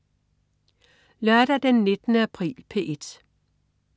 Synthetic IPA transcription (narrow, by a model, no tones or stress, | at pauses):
lɶɐdɾ̥ɐd̥enːe̝d̥ənəæpʰʁḭːlpʰe̝ʔe̝d̥